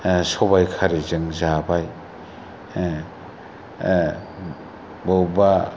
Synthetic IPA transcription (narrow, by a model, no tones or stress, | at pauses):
sɔbajkʰaɾizɯŋzabaj | bɯwba